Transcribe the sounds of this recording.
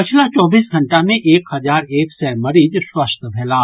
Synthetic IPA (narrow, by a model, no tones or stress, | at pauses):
pɪt͡ʃʰlat͡ʃɔːbiːsɡʱɐ̃ɳʈamẽʔeːkhɐzaːɾeːfsɛmɐɾiːd͡ʒswɐst̪ʰbʱɛːlaː